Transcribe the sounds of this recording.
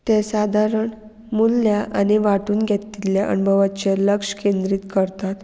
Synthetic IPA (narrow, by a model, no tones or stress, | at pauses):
t̪esad̪ʱaɾəɳ | mulːjaʔaniʋaʈuːnɡʱet̪ːiljaʔə̰nbʱəʋat͡ɕeləkʂə̥kẽnd̪ɾiːt̪kəɾt̪at̪